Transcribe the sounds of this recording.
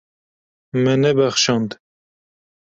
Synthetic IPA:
mɛnɛbæxʃɑnd̪

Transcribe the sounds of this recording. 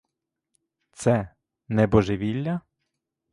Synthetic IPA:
t̪sɛ | nɛbɔʒɪʋʲilʲːɐ

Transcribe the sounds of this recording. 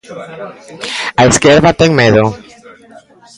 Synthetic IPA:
aeskeɾðat̪eŋmeðo

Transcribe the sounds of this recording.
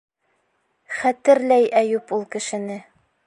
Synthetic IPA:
χæt̪ɘ̆ɾlæjæjupulˠkɘ̆ʃɘ̆nɘ

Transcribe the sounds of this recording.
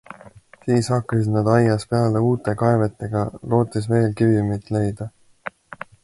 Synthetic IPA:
siːshɑkːˑɑsid̪nɑd̪ɑjːɑspe̞ɑleuːt̪ːˑe̞kɑe̞vet̪ːˑe̞ɡ̥ɑlo̞ːt̪ːˑisve̞ːlkivimit̪ːˑle̞jd̪̥ɑ

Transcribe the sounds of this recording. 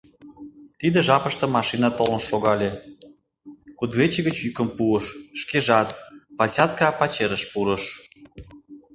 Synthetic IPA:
t̪id̪ə̆ʒɑpə̆ʃt̪ɤ̆mɑʃinɑt̪olə̆nʃoɣɑlʲe | kud̪vet͡ɕĕɣət͡ɕykə̆mpuəʃʃkeʒɑt̪pɑsʲɑt̪kɑpɑt͡ɕeɾəʃpuɾə̆ʃ

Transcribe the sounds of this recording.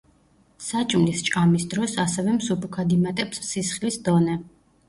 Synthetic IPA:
sat͡ʃʼmlist͡ʃʼkʼamisd̪ɾɔsasɛvɛmsupʰukʰad̪imat̪ʼɛpssisχlisd̪ɔnɛ

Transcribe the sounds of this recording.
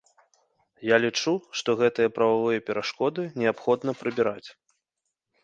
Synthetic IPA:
jalʲit͡ʂuʂt̪ɔɣɛt̪ɨjɐpɾɐvavɨjɐpʲɛɾʔaʂkɔd̪ɨnʲɛapxɔd̪nɐpɾɨbʲiɾat͡sʲ

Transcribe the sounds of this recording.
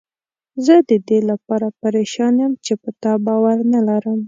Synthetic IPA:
zəd̪əd̪elapɑɾapaɾeʃɑnjəmt͡ʃepət̪ɑbɑwaɾnalaɾəm

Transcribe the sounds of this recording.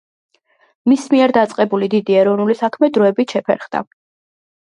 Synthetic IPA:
mismiɛɾd̪at̪sʼqʼɛbulid̪id̪iɛɾɔvnulisakʰmɛd̪ɾɔɛbit̪ʃɛpʰɛ̰ɾχd̪a̰

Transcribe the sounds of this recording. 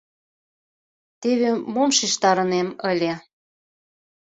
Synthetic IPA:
t̪eβemomʃiʃt̪ɑɾə̆neməlʲe

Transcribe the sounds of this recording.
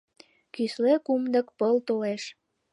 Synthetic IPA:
kyslekumd̪ə̆kpəlt̪oleʃ

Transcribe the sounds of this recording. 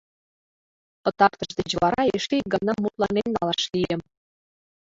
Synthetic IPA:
ə̆t̪ɑkt̪ɤ̆ʃd̪et͡ɕβɑɾɑeʃiɡə̆nɑmːut̪lɑnemnɑlɑʃliə̆m

